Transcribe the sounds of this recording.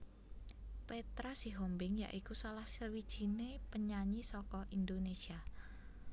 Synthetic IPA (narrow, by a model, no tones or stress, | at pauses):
pet̪ɾasiɦombɪŋja̰ʔikusalahsəwid̥ʒ̥i̤nepəɲaɲisɔkɔʔind̪onesia